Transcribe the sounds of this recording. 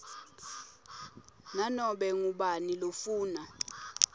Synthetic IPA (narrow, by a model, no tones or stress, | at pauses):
nanɔɓɛŋuɓanilofuːna